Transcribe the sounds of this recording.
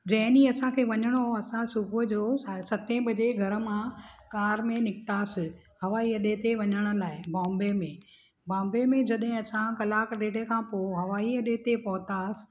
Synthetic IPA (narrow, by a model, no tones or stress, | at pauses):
ɾɛːniɐsãkʰeːʋɐɲəɽ̃oɐsãsʊbʱʊd͡ʑoːsɐt̪ʰẽbɐd͡ʑeɡʱɐɾə̆mãkaːɾmẽnɪkʰt̪aːsɪ | ɦɐʋaːiɐɗet̪eʋɐɲəɽ̃ə̆laːɪbãːmbemẽ | bãːmbemẽd͡ʑɐɗɦɪ̃ɐsãkɐlaːkɖeːɖekʰãːpoɦɐʋaːiɐɗet̪epɐɦʊt̪aːsɪ̥